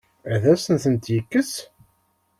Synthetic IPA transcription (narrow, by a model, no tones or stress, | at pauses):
æðæsənθənt̪jikːəs